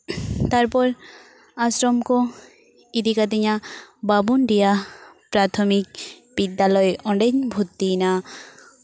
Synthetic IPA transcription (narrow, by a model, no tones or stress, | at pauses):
t̪aɾpɔɾ | asɾɔmko | id̪ikad̪iɲababunɖijapɾat̪ʰɔmik̚ | bid̪ːalɔjʔɔɳɖeɲbʱut̪ːina